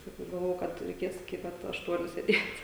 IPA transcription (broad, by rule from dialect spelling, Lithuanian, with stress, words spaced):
sɐˈkɐʊ ɡɐlˠˈʋoːjɛʊ ˈkɐt rʲɛɪˈkʲeːs ɪkʲɪ ˈpɐt ɐʃˈtuɔnʲʊ sʲeːˈdʲeːtʲ